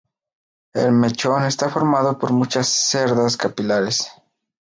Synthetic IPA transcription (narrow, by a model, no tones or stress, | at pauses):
ḛlme̞t͡ʃo̞ne̞st̪afo̞ɾmaðo̞poɾmut͡ʃasːe̞ɾðaskapilaɾes